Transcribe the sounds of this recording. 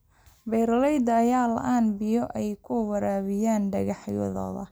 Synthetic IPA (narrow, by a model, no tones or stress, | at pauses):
bɛjɾɐlɛjd̪ɐːjaːlɐ̰ʔaːnbɪjɔʔɛjkʰʊwɐɾaːβɪjaːnɖɐɣɑħjɔ̰ðɔ̰ːðɐ̰